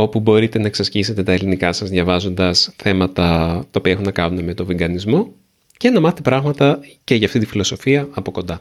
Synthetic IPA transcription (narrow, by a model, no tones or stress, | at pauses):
o̞pubo̞ɾit̪e̞nɐeksɐsçise̞t̪e̞t̪ɐe̞linikɐsɐzðʝɐvɐzo̞nd̪ɐsθe̞mɐt̪ɐt̪ɐopiɐe̞xunːɐkɐnuneme̞t̪o̞viŋɡɐnizmo̞ | ce̞nɐmɐθet̪e̞pɾɐɣmɐt̪ɐce̞ʝɐːft̪it̪ifilo̞so̞fiɐɐpo̞ko̞nd̪ɐ